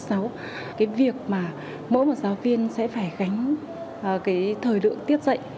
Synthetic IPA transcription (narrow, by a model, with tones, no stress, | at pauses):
sa˨˦w | kaː˨˦jvi˨˩ək̚maː˨˩ | mo̰˧˥jmo˨˩t̚zaː˨˦wvi˧ənsɛ̰˧˥faː˧˩jɣa˨˦jŋ̟˨˩ | kaː˨˦jt̪ʰəː˨˩jlɨ̰˧˨əŋt̪i˦˥ət̚z̥ə̰˧˨jʔ